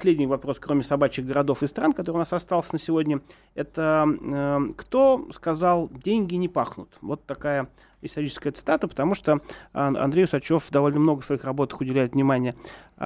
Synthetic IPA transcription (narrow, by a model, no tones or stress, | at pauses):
sʲlʲedʲnʲɪjvɐpɾo̞skɾomʲɪsɐbat͡ɕɪɣɡəɾɐd̪o̞fɨst̪ɾankɐt̪oɾəɨʊnasɐst̪ɑlˠsʲənəsʲɪvo̞dʲnʲə | ɛt̪ə | kt̪o̞skɐzalˠdʲenʲɡʲɪnʲɪpaxnʊt̪vot̪ːɐkajə | ɪst̪ɐɾʲit͡ɕɪskəjət̪sɨ̥t̪at̪əpə̥t̪ɐmuʂt̪oɐ̰nd̪ɾʲejʊsɐt͡ɕo̞fd̪ɐvo̞lʲnəmno̞ɡəfsvɐixrɐbo̞t̪ɨ̥xʊdʲɪlʲæɪt̪vnʲɪmanʲɪjə